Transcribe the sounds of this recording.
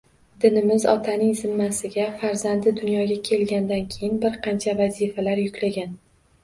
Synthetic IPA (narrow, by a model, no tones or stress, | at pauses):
d̪ɪnɪmɪzɒ̰t̪ʰanɪŋzɪmːasɪɡʲafaɾzand̪ɪd̪ʊnjɒɡʲakʲʰe̞lɡʲand̪ankʲʰejɪnbɪɾqʰɑnt͡ʃʰavazifalaɾjʊkʲlaɡʲan